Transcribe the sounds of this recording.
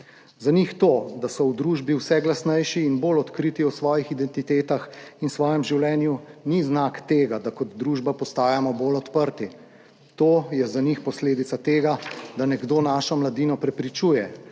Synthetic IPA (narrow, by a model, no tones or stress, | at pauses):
zanixt̪oːd̪asɔwd̪ɾuːʒbiwsɛɡlasnɛjʃiːnboːlɔt̪kɾit̪iɔsʋɔːjixid̪ɛnt̪it̪eːt̪axinsʋɔːjɛmʒiwlɛːnjuniznakt̪eːɡad̪akɔd̪d̪ɾuːʒbapɔst̪aːjamɔbolɔt̪pəɾt̪i | t̪oːjɛzanixpɔsleːd̪it̪sat̪eːɡad̪anɛɡd̪oːnaːʃɔmlad̪iːnɔpɾɛpɾit͡ʃuːjɛ